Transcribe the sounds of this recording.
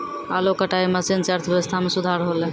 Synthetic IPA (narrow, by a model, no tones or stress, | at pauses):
a̰lokəʈaiməsint͡ʃaɾt̪ʰʋjeʋəst̪ʰamesud̪ʱaɾɦolɛ